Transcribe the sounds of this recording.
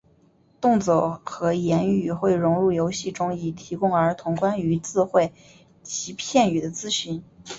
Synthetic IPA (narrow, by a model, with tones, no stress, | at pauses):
t̪ʊ˥˧ŋt͡swo˥˩xɤ˧˥jɛ˧˥ny˥˩xwe˥˩ɪɻʊ˧˥ŋɻu˥˩jo˧˥ʊɕi˥˩ʈ͡ʂʊ˥ŋi˨˩t̪ʰi˧˥kʊ˥ŋə˞˧˥t̪ʰʊ˧˥ŋkwa˥ny˧˥t͡sɹ̩˥˧xwe˥˩ɪ | t͡ɕʰi˧˥pʰjɛ˥˩ny˨˩d̪ə˦t͡sɹ̩˥ɕy˧˥n